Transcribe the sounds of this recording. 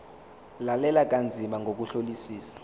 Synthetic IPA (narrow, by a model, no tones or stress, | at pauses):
lalɛlak̬ʼand͡zʱimaŋɡʱok̬uɬolisiːsḁ